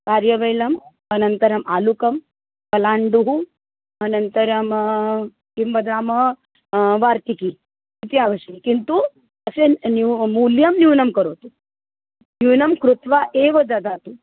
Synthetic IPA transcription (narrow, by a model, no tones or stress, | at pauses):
kaɾjɐʋɐjlɐm | ɐnɐnt̪ɐɾɐmalukɐm | pɐlaːɳɖuɦu | ɐnɐnt̪əɾɐm | kimʋɐd̪aːmə | ʋaːɾt̪iki | it̪iaʋəʃɐikint̪u | əsenimuljɐmniwnɐmkɐɾot̪u | niwnɐmkɾut̪ʋaʔeʋɐd͡zad͡z̪at̪u